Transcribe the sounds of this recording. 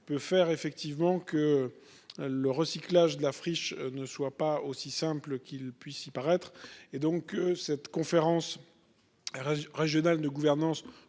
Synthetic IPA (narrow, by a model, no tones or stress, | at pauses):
pøfɛʁefɛk̚t̪ivmɑ̃kə | ləʁəsiklaʒd̪əlafχiʃnəswapaosisɛ̃plkʲilpɥisipaʁɛt̪χed̪ɔ̃kːəsɛt̪kɔ̃feʁɑ̃s | ʁeʒjɔnald̪əɡuvɛʁnɑ̃s